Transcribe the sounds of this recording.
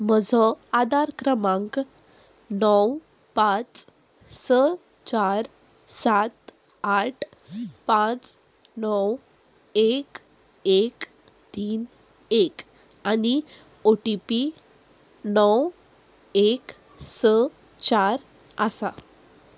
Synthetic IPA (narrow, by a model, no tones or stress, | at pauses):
məd͡zʱɔad̪aɾkɾəmãŋk | nɔw | pãt͡s | sə | t͡ɕaɾ | sat̪ | aʈʰ | pãt͡s | nɔw | ek | ek | t̪iːn | ek | ani | oʈipi | nɔw | ek | sə | t͡ɕaɾ | əsa